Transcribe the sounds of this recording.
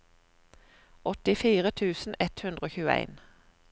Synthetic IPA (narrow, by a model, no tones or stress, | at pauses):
ɔt̪ɪfiːʁət̪ʰʉːsn̩ɛt̪hʉnd̪ʁəoːçʉːæ̰ɪn